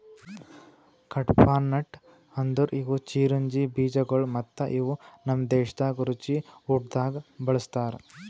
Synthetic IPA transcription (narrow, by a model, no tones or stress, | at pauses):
kʰɐʈpʰaːnːɐʈ | hɐnd̪uɾiɡut͡ʃiːɾuɲd͡ʒibiːd͡ʒɐɡoɭmɐt̪ːɐʔiʋunɐmd̪eːʃɐd̪aːɡɐɾut͡ʃiuʈ̚d̪aːɡɐbɐɭɐst̪aːɾ